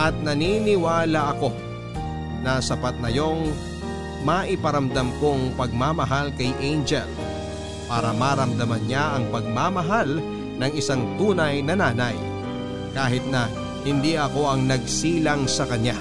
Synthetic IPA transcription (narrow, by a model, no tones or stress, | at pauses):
ʔɐt̪̚nɐniːnɪwaːlɐʔɐko̞ | nɐsɐpat̪̚nɐjo̞ŋ | maʔɪpɐɾɐmd̪ɐmko̞ŋpɐɡ̚mamɐɦalkɐjʔejnd͡ʒɛ̰l | paːɾɐmaːɾɐmd̪ɐmɐnɲaʔɐŋpɐɡ̚mamɐɦal | nɐŋɪsaŋt̪uːnɐjnɐnaːnɐj | kaːɦɪt̪̚nɐ | hɪnd̪iɐko̞ɐŋnɐɡ̚siːlɐŋsɐkɐɲa